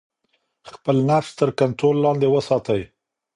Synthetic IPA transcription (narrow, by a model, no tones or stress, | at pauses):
xpəlnafst̪əɾkant̪ɾolːɑnd̪ewəsɑt̪əj